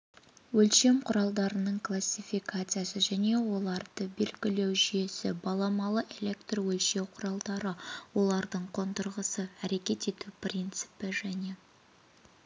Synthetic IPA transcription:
wɵlʃe̞mqʰʊɾɑlˠd̪ɑɾənəɴkʰlˠasʲːifikʰat̪sɨjasəʒæne̞wo̞lˠɑɾd̪̥əbe̞lɡʲɪle̞wʒʏje̞sɪbɑlˠɑmɑlˠəʔe̞lʲe̞kt̪rwɵlʃe̞wqʰʊɾɑlˠd̪ɑɾəwo̞lˠɑɾd̪əɴqʰo̞nt̪əɾʁəsəæɾe̞kʲe̞t̪e̞t̪uprʲint̪sɨ̥pɪʒæne̞

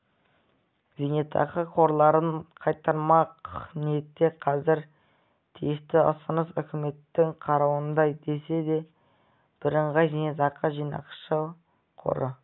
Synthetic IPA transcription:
zinet̪ʰɑ̰qəqʰo̞ɾlˠɑɾənqʰɑjt̪ːɑɾmɑqniet̪ːe̞qʰɑzɪɾ | t̪ʰijɪst̪ɪəsənəsʏkʲɪme̞t̪ːɪŋqʰɑɾɑwənd̪ɑjd̪e̞se̞d̪e̞ | b̥ɪɾəɴʁɑjzenet̪ɑqəʒijnɑ̰qʃə | qʰo̰ɾə

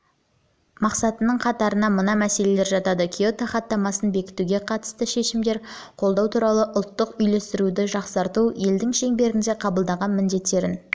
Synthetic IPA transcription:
mɑqsɑt̪ənəɴqʰɑt̪ɑɾənɑmənɑmæse̞le̞le̞ɾʒɑt̪ɑd̪əkʲʰijot̪aχɑt̪ːɑmɑsənbe̞kʲɪ̥t̪uɡʲe̞qʰɑt̪ə̥st̪əʃe̞ʃɪmd̪e̞ɾqʰolˠd̪ɑwt̪ʰuɾɑlˠəʔʊlˠt̪ːəqʏjle̞st̪ɪɾud̪ɪʒɑqsɑɾt̪uje̞ld̪ɪŋʃe̞ŋbe̞ɾɪnd̪e̞qʰɑbəlˠd̪ɑʁɑnmɪnd̪e̞t̪ːe̞ɾɪn

